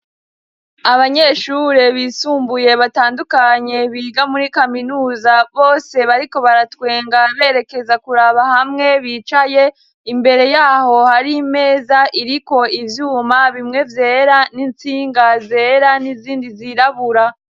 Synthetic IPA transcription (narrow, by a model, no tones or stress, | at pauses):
aβaɲe̞ʃuɾeβiːsuːmbuje̞βataːndukaɲe̞βiːɡamuɾikaminuːzaβo̞ːse̞βaɾiko̞βaɾatwe̞ːŋɡaβe̞ːɾe̞ke̞zakuɾaβahamŋe̞βiːt͡ʃaje̞ | imbe̞ɾe̞jaːho̞haɾime̞ːzaʔiɾiko̞ivjuːmaβimŋe̞vje̞ːɾanint͡siːŋɡaze̞ːɾaniziːndiziɾaβuɾa